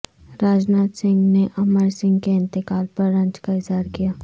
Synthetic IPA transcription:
ɾaːd͡ʒnaːt̪sɪ̃ŋɡneʔɐməɾsɪ̃ŋɡkeɪ̃nt̪ɪkaːlpɐɾːɐ̃ɲt͡ʃkaɪzɦaːɾkijaː

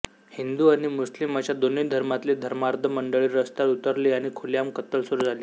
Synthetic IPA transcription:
hind̪uaɽ̃imuslimat͡ɕjad̪oned̪ʱəɾmat̪led̪ʱəɾmaɾd̪ʱəməɳɖəɭiːɾəst̪alut̪əɾliːaɽ̃ikʰoljamkət̪əlsoɾd͡zʱaliː

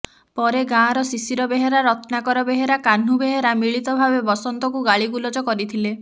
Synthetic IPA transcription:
pɔɾeɡãːɾɔsisiɾɔbeɦeɾaɾɔt̪ʰnakɔɾɔbeɦeɾakan̤ubeɦeɾamiɭit̪ɔbʱabebɔsɔnt̪ɔkuɡaɭiɡulɔd͡ʒɔkɔɾit̪ʰile

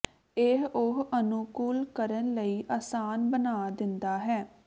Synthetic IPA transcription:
eɦʊɦənuːkuːlkəɾənləiːʔaːsaːnbənaːd̪ɪnd̪aːɦɛː

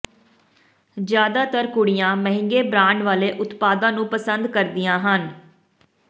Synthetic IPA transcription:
d͡ʒjaːd̪aːt̪əɾkʊɽɪjãːməɦɪ̃ŋɡeːbɾãːɳɖʋaːleːʔʊt̪paːd̪ãːnũːpəsənd̪kəɾd̪ɪjãːɦən

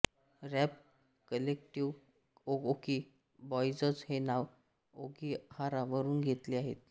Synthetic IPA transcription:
ɾɛp | kəlekʈiʋ | ooki | bɔjd͡zət͡shenaʋ | oɡihaɾaʋəɾuːnɡʱet̪liaɦḛt̪

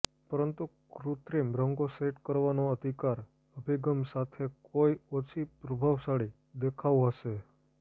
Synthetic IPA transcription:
pəɾənt̪u | kɾut̪ɾimbɾəŋɡoseʈkəɾʋanoəd̪ʱikaɾ | əbʱiɡəmsat̪ʰekoiot͡ʃʰipɾəbʱaʋsaɭi | d̪ekʰaʋuəse

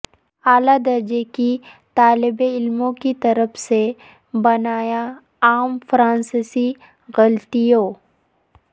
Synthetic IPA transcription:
aːlad̪ɐɾd͡ʒeki | t̪aːlɪbeɪlmõkit̪ɐɾəfse | bɐnaːja | aːmfɾãːnsɪsi | ɣɐlt̪ijoː

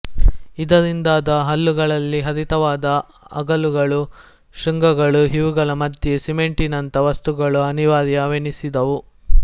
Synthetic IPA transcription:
id̪ɐɾind̪aːd̪ɐɦɐlːuɡɐɭɐlːiɦɐd̪it̪ɐʋaːd̪ɐ | ɐ̰ɡɐluɡɐɭu | ʃiŋɡɐɡɐɭuɦiʋuɡɐlɐmɐd̪ʱjesimeɳʈinɐnt̪ɐʋɐst̪uɡɐɭuɐniʋaːɾijɐːʋenisid̪ɐʋu

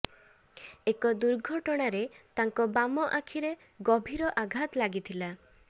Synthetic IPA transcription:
ekɔd̪uɾɡʱɔʈɔɽ̃aɾet̪aŋkɔbamɔʔakʰiɾe | ɡɔbʱiɾɔʔaɡʱat̪laɡit̪ʰila

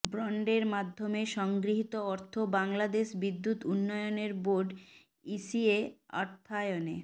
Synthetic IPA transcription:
bɾɔɳɖeɾmad̪ʱːomeʃɔŋɡɾiɦit̪oɔɾt̪ʰobaŋlad̪eʃbid̪ːut̪unːɔjoneɾboɾɖ | isiea̰ɾt̪ʰajonḛ

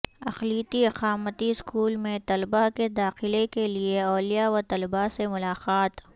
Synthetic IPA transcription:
ɐxliːt̪iɐqaːmət̪iɪskuːlmẽt̪ɐlbaked̪aːxɪlekelieɔːlijaʋɐɾt̪ɐlbasemʊlaːqaːt̪

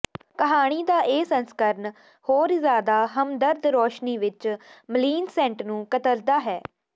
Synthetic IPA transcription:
kəɦaːɽ̃iːd̪aːʔeːsənskəɾn | hoːɾzjaːd̪aːɦəmd̪əɾd̪ɾoːʃniːʋɪt͡ʃməliːnsɛ̃ːɳʈnũːkət̪əld̪aːɦɛː

